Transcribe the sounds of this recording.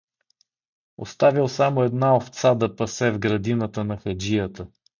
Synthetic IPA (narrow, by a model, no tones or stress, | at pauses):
o̰st̪avilˠsamoɛd̪naoft̪sad̪ɐpɐsɛvɡɾɐd̪inət̪ənɐxɐd͡ʒijət̪ə